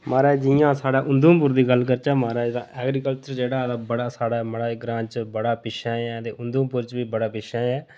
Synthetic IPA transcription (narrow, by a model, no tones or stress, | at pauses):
maːɾaːd͡ʒɪjãːsaːɽaːʔʊ̃nd̪ũːp̬ʊɾd̪iːɡəlkəɾt͡ʃaːmaːɾaːt̪ã̰ːʔɛːɡɾiːkəlt͡ʃəɾd͡ʒeːɽaːd̪aːbəɽaːsaːɽaːməɽaːɪɡɾãːt͡ʃbəɽaːpɪʃãːɛ̃ːt̪eːʔʊnd̪ũːpʊɾt͡ʃʋiːbəɽaːpɪʃãːɛː